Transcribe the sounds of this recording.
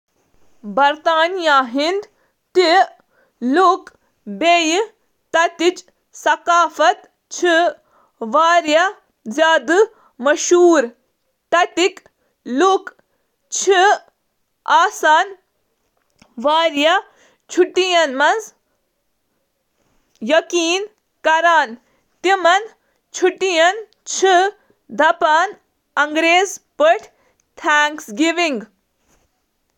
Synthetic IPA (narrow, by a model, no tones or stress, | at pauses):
bɐɾt̪aːnijaɦind̪ | t̪i | lok | beːj | t̪ɐt̪it͡ʃ | sɐkaːfɐt̪ | t͡ʃʰi | ʋaːɾjɐ | zjaːd̪ɨ | mɐʃuːɾ | t̪ɐt̪ik | luk | t͡ʃʰi | aːsaːn | ʋaːɾjɐ | t͡ʃʰuʈːijɐnmɐnz | jɐkiːn | kɐɾaːn | t̪imɐn | t͡ʃʰuʈijɐn | t͡ʃʰi | d̪ʱɐpaːn | ɐŋɡɾeːzpɐʈʰ | t̪ʰaːŋksɡiʋiŋɡ